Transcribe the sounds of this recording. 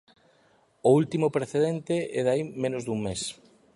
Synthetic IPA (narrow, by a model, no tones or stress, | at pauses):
ʊult̪imʊpɾeθeðent̪eʔɛðaimẽnʊzd̪uŋmes